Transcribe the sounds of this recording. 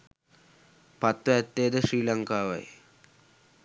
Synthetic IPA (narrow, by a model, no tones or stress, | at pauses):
pat̪ːʋəæt̪ːejd̪əʃriːlaŋkaːʋa̰j